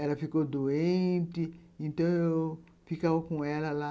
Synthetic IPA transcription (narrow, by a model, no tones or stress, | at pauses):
ɛlɐfikod̪oẽt̪ɪẽt̪ɐ̃w̃eww | fikawkõɛlɐla